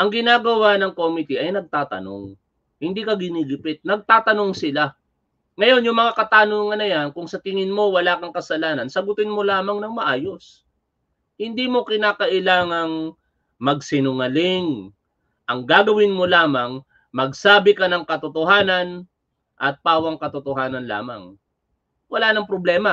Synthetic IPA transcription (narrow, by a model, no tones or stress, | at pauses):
ʔɐŋɡɪnaːɡɐwanɐŋkomɪt̪iʔɐjnɐɡ̚t̪aːt̪ɐ̰no̞̰ŋ | hɪnd̪ikɐɡɪniɡɪpɪt̪̚nɐɡ̚t̪aːt̪ɐno̞ŋsɪla | ŋɐjo̞njʊŋmɐŋakɐt̪aːnoŋːɐnɐjankʊŋsɐt̪ɪŋɪnmo̞wɐlaːkɐŋkɐsɐlaːnɐnsɐɡʊt̪ɪnmo̞laːmɐŋnɐŋmɐʔaːjo̞s | hɪnd̪imo̞kɪnaːkɐʔɪlaːŋɐŋ | mɐɡ̚sɪnʊŋɐlɪŋ | ʔɐŋɡaːɡɐwɪnmo̞laːmɐŋ | mɐɡsaːbɪkɐnɐŋkɐt̪ot̪oɦaːnɐn | ʔɐt̪̚paːwɐŋkɐt̪ʊt̪ohaːnɐnla̰ːmɐ̰ŋ | wɐlaːnɐŋpɾoblɛːmɐ